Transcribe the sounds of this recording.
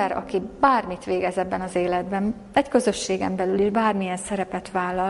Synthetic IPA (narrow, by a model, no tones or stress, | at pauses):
ɾɒ̰kibaːrmit̪ʋeːɡɛzɛbːɛnɒzeːlɛd̪bɛn | ɛckø̞zø̞ʃːeːɡɛmbɛlyleːʒbaːrmijɛnsɛɾɛpɛt̪ʋaːlːɒ